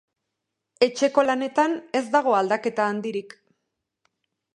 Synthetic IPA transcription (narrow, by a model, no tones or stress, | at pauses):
e̞t͡ʃe̞ko̞lane̞t̪ane̞zd̪aɣ̞o̞ald̪ake̞t̪aːnd̪iɾik